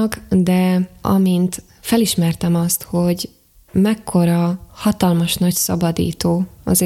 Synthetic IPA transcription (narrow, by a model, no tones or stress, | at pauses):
kd̪ɛɒ̰mint̪ | fɛliʃmɛrt̪ɛmɒst̪ho̞ɟ | mɛkʰːo̞ɾɒhɒt̪ɒlmɒʃnɒcsɒbɒd̪ḭːt̪oːɒ̰z